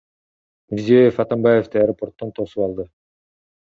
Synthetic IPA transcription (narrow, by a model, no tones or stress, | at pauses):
miɾzijejefɑt̪ambajeft̪ɯajɾopo̞rt̪ːont̪ʰo̞supɑlˠd̪ɯ